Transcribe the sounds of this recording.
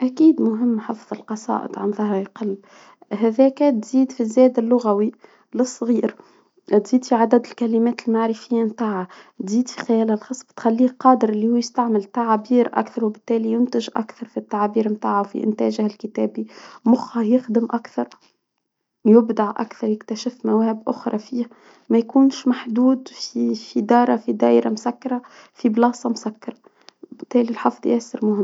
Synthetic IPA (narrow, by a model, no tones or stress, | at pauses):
ʔækiːd̪mʊɦɪmːħɑfðˤɪlqɑsˤɑ̰ːʔə̰d̪ʕa̰nðˤɑhɾqɑlː | ɦæðɛːkæt̪ziːd̪fizæːd̪ɪlːʊɣæwi | lɨsˤːɣiːɾ | t̪ziːd̪fiʕad̪æd̪ɪlkælimæːt̪lmaʕɾɪfɪjːamt̪aːʕat̪ziːd̪fixajæːlælxɑsˤːbɪ̥t̪xælːiːqɑːd̪əɾʔɪlːihuːjɪst̪aʕmɪlt̪aʕabiːɾʔa̰kθɑɾˤwɪbɪt̪ːæːlijʊnt̪ɪʒʔa̰kθɑɾˤfit̪ːaʕabiːɾmt̪aːʕawfḭʔɪ̰nt̪æ̰ːʒhɪlkɪt̪æːbimʊxɑjɪxd̪ɪmʔakθɑɾˤ | jʊbd̪aʕʔa̰kθɑɾˤjɪkt̪æʃɪfmæwæːhɪbʔʊxɾˤɑ̰fiːh | mæjkuːnʃmaħd̪uːd̪fifid̪ɑːɾˤɑfid̪æːʔɾamʊsækːɑɾˤɑ | fiblɑːsˤɑmʊsækːɑɾˤɑ | bɪt̪ːæːlilħɑfðˤjʔæːsɪɾmʊhɪmː